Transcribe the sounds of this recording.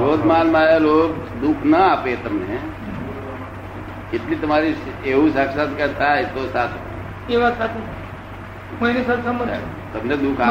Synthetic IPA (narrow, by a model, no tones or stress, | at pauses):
oːd̪malmaaloːkd̪ukʰnəapet̪əmne | keʈlit̪əmaɾieũsakʰsat̪ʰkət̪ʰajt̪osat̪ʰ | eʋasat̪ʰ | ɦə̃enisat̪səmbə | t̪əmned̪ukʰa